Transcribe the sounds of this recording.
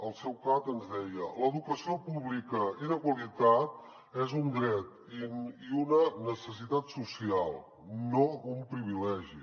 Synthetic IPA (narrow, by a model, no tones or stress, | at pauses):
əlˠsɛwkat̪ənzðɛjələðukəsiopuβlikəinəkwəlit̪at̪̚ | ɛzund̪ɾɛt̪ | iiunənəsəs̬it̪at̪susialˠ | noumpɾiβilɛʒi